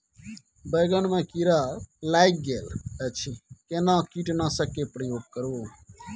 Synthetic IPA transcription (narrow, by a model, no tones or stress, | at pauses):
bəːɡəɳmɛ̃ːkiɾaːlaːɪk̚ɡeːlət͡ʃʰikeːnãːkiːʈnãːsəkeːpɾəjoːɡ̚kəɾoː